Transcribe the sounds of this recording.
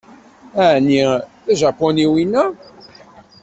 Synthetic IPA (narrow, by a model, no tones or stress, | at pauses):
æʕniθæʒæpɔniwinːæ